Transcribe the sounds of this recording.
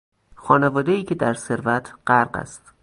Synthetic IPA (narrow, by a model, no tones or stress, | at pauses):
xɒːnevɒːd̪ejiːcʰed̪æɾse̞ɾvæt̪ʰɢ̥æɾɢæ̰st̪